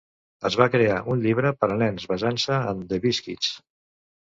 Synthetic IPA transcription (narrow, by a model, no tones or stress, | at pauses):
əzβakɾeaʔunʎiβɾəpəɾəlɛnzβəzansəənd̪əβiskit͡s